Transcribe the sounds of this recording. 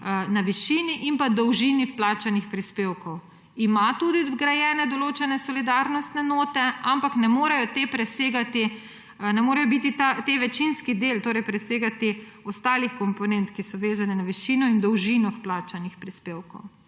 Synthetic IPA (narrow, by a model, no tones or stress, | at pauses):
naʋiʃiːniʔimpad̪ɔwʒinifplaːt͡ʃanixpɾispeːwkɔw | imat̪uːd̪iɡɾajɛːnɛd̪ɔloːt͡ʃɛnɛsɔlid̪aɾnɔst̪nɛnoːt̪ɛampaknɛmoːɾɛjɔt̪epɾɛseːɡat̪i | nɛmoːɾɐjɔbit̪it̪at̪eʋɛt͡ʃinskid̪elt̪oːɾɛjpɾɛseːɡat̪i | ɔst̪aːlixkɔmpɔnɛnt̪kisɔʋeːzanɛnaʋiʃiːnɔind̪ɔwʒinɔfplaːt͡ʃanixpɾispeːwkɔ̰w